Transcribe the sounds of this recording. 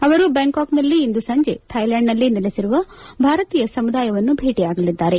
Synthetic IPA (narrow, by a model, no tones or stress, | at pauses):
ɐʋɐɾubeːŋkaːknɐlːiːnd̪usɐɲd͡ʒe̞t̪ʰɐjlaːɳɖnɐlːinilesiɾuʋɐbʱaːɾɐt̪iːjɐsɐmud̪aːjɐʋɐnːubʱe̞ːʈijaːɡɐlid̪ːaːɾe̞